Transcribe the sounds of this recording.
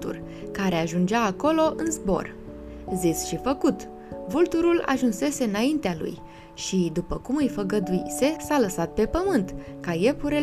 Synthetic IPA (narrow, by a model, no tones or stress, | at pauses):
t̪ṵr | kaɾe̞aʒund͡ʒaːko̞lo̞ʔɨnzbo̞̰r | zisʃifəkut̪ | vult̪uɾula̰ʒunse̞se̞ɨnaint̪ealṵj | ʃid̪upəkumɨjfəɡəd̪uḭse̞saləsat̪̚pe̞pəmɨnt̪kaje̞puɾe